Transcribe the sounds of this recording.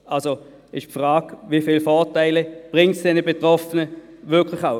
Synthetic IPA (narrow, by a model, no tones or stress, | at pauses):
ʔalso | ɪʃpfʁaːkvifiːlfɔːɐtaɪləb̥ʁɪŋtsd̥ɛnəbetʁɔfənə | ʋɪɐkʰlɪχaʊ